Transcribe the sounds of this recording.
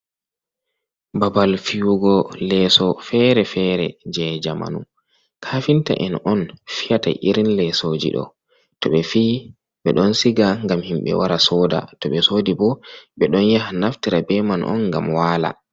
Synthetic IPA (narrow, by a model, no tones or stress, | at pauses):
babalfijuɡɔlɛsɔfɛɾɛfɛɾɛ̰d͡ʒɛd͡ʒama̰nṵm | kʰafinta̰ʔɛnʔɔnfijata̰ʔḭɾinlɛsod͡ʒḭɗɔ̰ | tɔɓɛfiː | ɓɛɗɔnsiɡaŋɡamhimɓɛ̰waɾasɔda̰tɔɓɛsodibɔɓɛɗɔnjahanaftiɾabɛmanʔɔ̰nŋɡamwaːla̰